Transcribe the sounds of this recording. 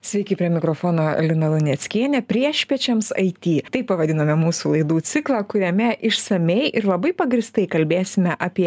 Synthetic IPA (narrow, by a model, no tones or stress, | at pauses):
sʲʋʲɛɪkʲɪpʲɾʲiɛmʲɪkɾoːfoːnoːɛ̰lʲɪnɐlˠʊnʲɛt̪sʲkʲiɛnʲɛpʲɾʲiɛʃʲpʲiɛt͡ʃʲɛmsɐ̰ɪt̪ʲiːt̪ɐɪppɐʋɐd̪ʲɪnɐmʲɛmuːsuːlˠɐɪd̪uːt̪sʲɪklˠɑːkʊɾʲɛmʲɛʔɪʃsɐmʲɛɪʔɪɾlˠɐbɐɪpɐɡɾʲɪst̪ɐɪkɐlʲbʲeːsʲɪmʲɛʔɑːpʲiɛ